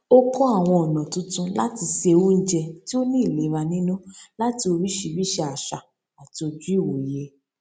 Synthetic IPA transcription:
o˦kɔ˦a˦˨w̃ɔ̃˧ɔ˨nã˨tũ˨˦tũ˧˦la˦ti˧ʃe˧wu˦n̩˦d͡ʒɛ˧ti˦o˦nĩ˦˨le˨˦ɾa˧nĩ˦nũ˦la˦ti˧o˧βi˦ʃi˧bi˦ʃɛ˧a˨ʃa˨ | a˨ti˧o˧d͡ʒu˦i˦˨wo˨je˧˦

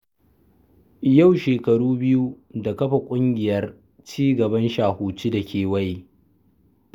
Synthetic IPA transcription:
ja˦˨wʃeː˨kɐ˨ɽuː˦bɪ˦ju˦ | da˨kɐ˦ɸa˨kʷʼʊ˦ŋɡʲɪ˨jɐ˦r | t͡ʃiː˦ɡɐ˨bɐ˦nʃaː˨huː˨t͡ʃi˦dɐ˨kʲʰeː˨wɐ˦ji˦

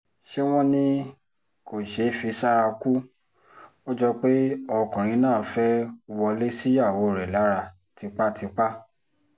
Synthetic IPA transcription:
ʃe˦w̃ɔ̃˦nĩ˦ | ko˨ʃe˨˦fi˧sa˦ɾa˧ku˦ | o˦d͡ʒɔ˦k͡pe˦ɔ˧kũ˨ɾ̃ĩ˨˧˦nãː˦˨fɛ˦˧wɔ˧le˦si˦ja˦˨wo˨˦˨ɾɛ˨la˨˦ɾa˧ | ti˨˧˦k͡pa˦tʰi˧k͡pa˦

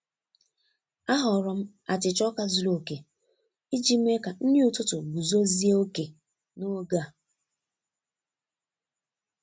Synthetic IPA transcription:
a˦ɦɔ˨ɾɔ˦m̩˦ | a˨tɪ˨t͡ʃɔ˦ka˦zu˨lo˨ke˨ | i˦d͡ʒi˦m̩˦e˦ka˨n̩˦nɪ˦ʊ˦tʊ˦tʊ˨ɡu˨zo˦zi˦e˦o˦ke˨ | no˦ɡa˦˨

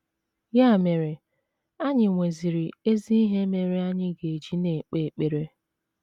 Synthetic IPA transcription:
ja˦˨me˨ɾe˨ | a˦ɲɪ˨ŋʷe˨zi˨ɾi˨e˦zi˦i˦ɦe˦me˨ɾe˦a˦ɲɪ˦ɡe˨d͡ʒi˦ne˨k͡pe˨k͡pe˨ɾe˦

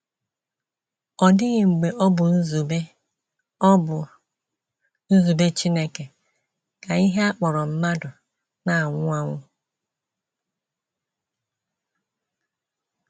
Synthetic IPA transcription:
ɔ˨dɪ˦ɣɪ˨ŋ͡m̩˨ɡ͡be˨ʔɔ˦bʊ˨n̩˦zu˨be˦ | ɔ˦bʊ˨ | n̩˦zu˨be˦t͡ʃi˦ne˦ke˨ | ka˨i˦ɦe˦a˦k͡pɔ˨ɾɔ˨m̩˦ma˦dʊ˨ | na˨a˨ŋʷʊ˦a˦ŋʷʊ˦

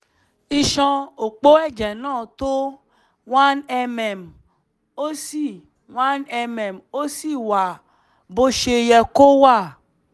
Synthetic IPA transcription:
i˧ʃɔ̃˧o˨k͡po˦ɛ˦˨d͡ʒɛ˨nãː˦˨t̪o˦ | wa˦nɛ˧mɛ˨m | o˦si˦˨ | wa˦nɛ˧mɛ˨mo˦si˦˨wa˨ | bo˦ʃe˧jɛ˧ko˦wa˦˨

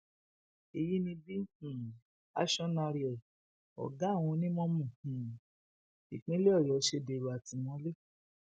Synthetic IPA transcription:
i˨ji˦nĩ˧bĩ˦˨ | a̰˦ʃɔ˦na˧ɾi˨ɛ˨ | ɔ̰˨ɡa˨˦˨w̃ɔ̃˧nĩ˦mɔ̃˦mũ˨h̩˨ | i˨k͡pĩ˦le˦ɔ˦˨jɔ˨˦ʃe˧de˨ɾu˨a˨tĩ˨˧mɔ̃˧˦le˦

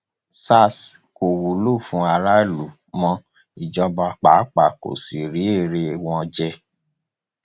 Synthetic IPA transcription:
sa˦˨s | ko˨wu˨lo˦˨fũ˨˦a˧ɾa˦e˦˨lu˨ | mɔ̃˧˦ | i˨d͡ʒɔ˧ba˧k͡pa˨˦k͡pa˨ko̰˨si˨ɾi˨˦e˦˨ɾe˧w̃ɔ̃˧d͡ʒɛ˧

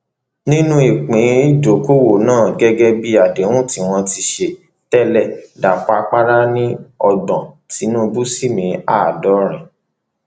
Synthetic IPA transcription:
nĩ˦nũ˦i˨k͡pĩ˨˦d͡ʒo˨˦ko˦wo˦˨nãː˦˨ɡɛ˦ɡɛ˧bi˦a˨de˨˦wũ˦˨ti˨˦w̃ɔ̃˧ti˧ʃe˨ | tɛ˦˨lɛ˦˨da˨k͡pa˧k͡pa˦ɾa˦nĩ˦ɔ˧ɡ͡bɔ̃˨ti˨˦nũ˦˧bu˦si˦˨mĩ˧a˦˨dɔ˨˦ɾ̃ĩ˨

